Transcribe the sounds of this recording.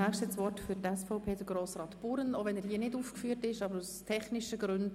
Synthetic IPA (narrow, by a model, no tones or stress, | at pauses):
æpʃtɛt͡sʋɔrtfʏɾtɛsfɔʊpʰeːdəɡɾoːsrɑːt̪puɾənoːvɛnɛɾhiːənɪduːfkfyːəɾtɪʃɑːbəɾustʰɛχnɪʃəɡɾʏnd